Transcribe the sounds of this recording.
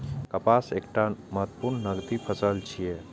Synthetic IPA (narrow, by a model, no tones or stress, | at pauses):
kəpasekʈaməɦət̪ːpuɾnːəɡt̪ipʰəsəlt͡ʃʰije